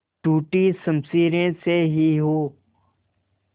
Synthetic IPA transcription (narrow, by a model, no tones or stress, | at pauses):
ʈuːʈisəmsiːɾẽseɦiɦoː